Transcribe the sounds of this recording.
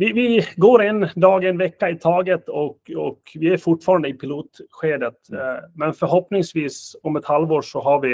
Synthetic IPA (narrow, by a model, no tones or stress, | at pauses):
vɪvɪɡoːɾɛnːd̪ɑːɡɛnvɛkːaɪt̪ʰɑːɡət̪ɔkɔkvɪæɾfʊʈfɑːɾand̪əɪpʰɪluːt̪ɧeːd̪ət̪mɛnfœɾɦɔpnɪŋsʋiːsɔmɛt̪halvoːʂɔɦaɾʋɪ